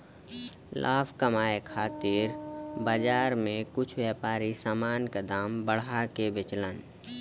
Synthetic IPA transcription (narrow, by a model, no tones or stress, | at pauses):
lʔaːbʰkəmaːekʰaːt̪iɾbəd͡ʒaːɾmẽkʊt͡ʃʰwjɛːpaːɾisaːmaːnkad̪aːmbəɽ̤akebɪt͡ʃlən